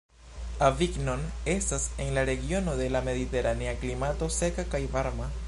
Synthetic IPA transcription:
aviɡno̞ne̞stase̞nlaɾe̞ɡio̞no̞de̞lame̞ðite̞ɾaneaklimato̞se̞kakajvaɾma

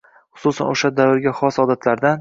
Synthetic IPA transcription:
χʊ̥susa̰nʔoʃad̪avɪɾɡʲaχɒsɒd̪at̪ʰlaɾd̪an

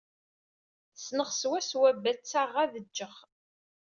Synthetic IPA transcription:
snəʁswæswæbːæt͡sːaʁːæðəd͡ʒːəχ

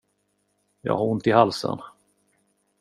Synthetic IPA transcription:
jɑ̰ːhɑɾʊnt̪ɪhalsə̰n

